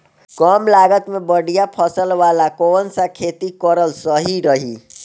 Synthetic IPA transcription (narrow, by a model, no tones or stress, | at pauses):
kəmlaɡət̪mebəɽijapʰəsəlʋalakoːnsakʰeːt̪ikəɾəlsəɦiɾəɦḭ